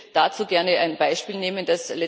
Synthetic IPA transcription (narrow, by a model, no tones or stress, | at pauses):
d̥aːt͡suːɡɛɐnəaɪnb̥aɪʃpiːlneːmənd̥aslɛ